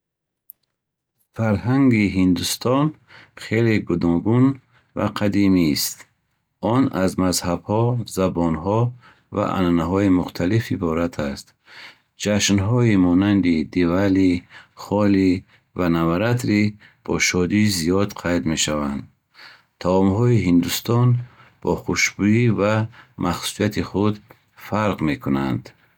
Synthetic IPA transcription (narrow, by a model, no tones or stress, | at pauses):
faɾɦaŋɡiɦind̪ust̪ʰɔn | χeleɡud̪ɔŋɡun | va̰qʰad̪imist̪ | ɔnazmazhabhɔzabɔnɦɔ | va̰ʔa̰nanaɦɔimuχt̪ʰalifibɔɾat̪ʰast̪ | d͡ʒaʃnɦɔimɔnand̪id̪evaliχɔli | vanavaɾat̪ʰɾi | b̥ɔʃɔd̪izijɔd̪qʰajd̪me̞ʃavand̪ | t̪ʰaɔmɦɔiɦind̪ust̪ɔn | b̥ɔχuʃbuivamʔaχsu̥sijat̪ʰiχud̪ | faɾʁme̞kʰuna̰nd̪̥